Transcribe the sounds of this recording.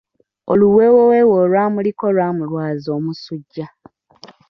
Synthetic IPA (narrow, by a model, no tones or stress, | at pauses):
o̰luwewowewolwaːmuliko̞lwaːmulwaːzo̞ːmusuɟːa